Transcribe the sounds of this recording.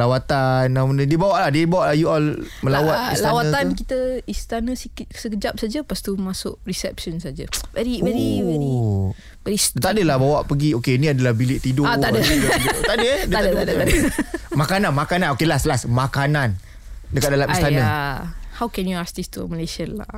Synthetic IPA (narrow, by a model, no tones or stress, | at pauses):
lawat̪anːamənədiəbawaʔlahdiəbawaʔlahjuɔlmə̃lawat̪islaawaankit̪əist̪anə̃sikisəkəd͡ʒap̚sad͡ʒəpast̪umasʊʔɾisɛ̰p̚sɔnsad͡ʒə̰vɛɾiɛɾivɛ | vɛɾidt̪adəlahbawaʔpəɡiokeinĩadalahbilɪʔt̪idoaadəidt̪adədadət̪ad̪adəmakanãnmakananokelaslasmakanan | dəkat̪̚dalamist̪anə̃ahawkɛnjuast̪ist̪uməlesiənla̰